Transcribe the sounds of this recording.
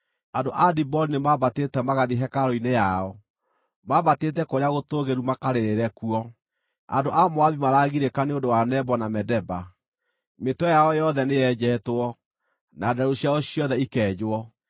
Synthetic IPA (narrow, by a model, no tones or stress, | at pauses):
andoʔadibɔlinemaβatetɛmaɣaðiɦɛkaɾɔinejaɔ | maβatetɛkoɾeaɣotoɣeɾumakaɾeɾeɾɛkuɔ | a̰ndoʔamoaβimaɾaɣiɾekaneodowanɛbɔnamɛdɛba | metwɔjaɔjɔðɛnejɛd͡ʑɛːtwɔ | nadaɾoɕjaɔɕiɔðɛikɛːd͡ʑoɔ